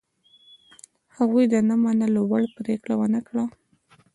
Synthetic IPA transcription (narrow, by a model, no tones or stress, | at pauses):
haɣujd̪ənamanəlowaɽpɾekɽawənəkɽa